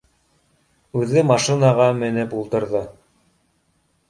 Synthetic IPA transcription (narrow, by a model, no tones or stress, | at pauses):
ʉðɘmɑʃinɑʁɑmɘ̆nɘpulˠt̪ɤ̆ɾðɤ